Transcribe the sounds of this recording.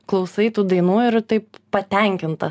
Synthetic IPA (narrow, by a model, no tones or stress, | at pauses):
klˠɐʊsɐɪt̪uːd̪ɐɪnuːɪɾt̪ɐɪppɐt̪ʲɛŋʲkʲɪnt̪ɐ